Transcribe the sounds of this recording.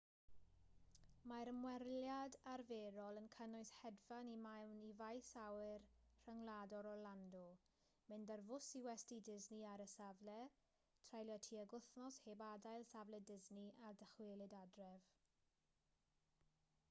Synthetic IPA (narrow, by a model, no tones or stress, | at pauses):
maɾəmwɛrljadarveːɾɔlˠənkʰənʊɨshɛdvanimawnivajsawɪrr̥əŋladɔɾɔlandɔ | mɪndərvʊsiwɛstidɪzniaɾəsavlɛ | tʰrajlˠjatʰiːəɡʊθnɔshebadajlˠsavlɛdɪzniadəχweːlˠɪdadrɛv